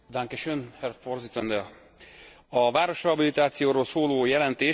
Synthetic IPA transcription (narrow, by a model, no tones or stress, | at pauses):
d̪aŋkɛʃønhɛrforzit̪sɛnd̪ɛ | ɒvaːɾo̞ʃɒbilit̪aːt̪sijoːɾoːlsoːloːjɛlɛnt̪eː